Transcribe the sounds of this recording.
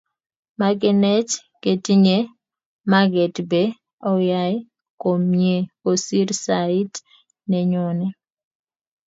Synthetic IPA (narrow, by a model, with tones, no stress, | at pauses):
ma˨ɡɛ˨nɛ˦t͡ʃ | ke˨ti˦ɲe˦ | ma˦ɡɛ˨tbe˦ | ɔ˦ja˦j | ko˨mɲe˨o˨si˦ɾsai˦t | nɛ˨ɲɔnɛ˦